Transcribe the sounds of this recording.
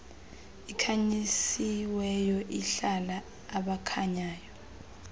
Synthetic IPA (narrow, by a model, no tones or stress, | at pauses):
ikʰaɲisiwɛjɔʔiɬalaː | ɓakʰaɲaːjɔ